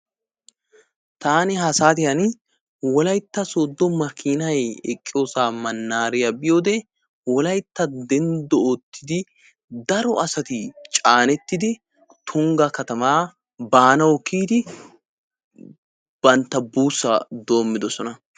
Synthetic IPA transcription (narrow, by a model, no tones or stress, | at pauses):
t̪aːnɪɦɐsaːt̪ɪjɐn | wɔlɐjt̪ːɐsoːd̪ːɔmɐkʰːiːnɐjɛkʼːɪjo̞ːsaːmɐnːaːɾɪjɐbɪjo̞ːd̪ɛ | wɔlɐjt̪ːɐd̪ɛnd̪ɔot̪ʰːɪd̪ɪ | d̪ɐɾɔɐsɐt̪ɪt͡ʃʼaːnɛt̪ːɪd̪ɪ | t̪ʰʊŋɡɐkɐt̪ɐmaː | baːnɐwɔkʰːiːd̪ɪ | b̥ɐnt̪ːɐbuːsːɐd̪o̞ːmːɪd̪ɔsɔnɐ